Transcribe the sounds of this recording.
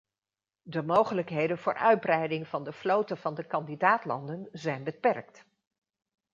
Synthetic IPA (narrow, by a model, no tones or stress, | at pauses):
dəmowχələkɦejdənv̥ʊːɹʔœ̰ɥd̚brɛjdɪŋv̥ɑndəflowtəv̥ɑndəkɑndidaːtlɑ̰ndənzɛjnbəpɛrk̚t